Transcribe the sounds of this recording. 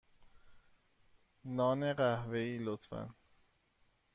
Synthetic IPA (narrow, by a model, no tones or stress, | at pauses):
nɒːneɢæhveiːlot̪ʰfæ̰n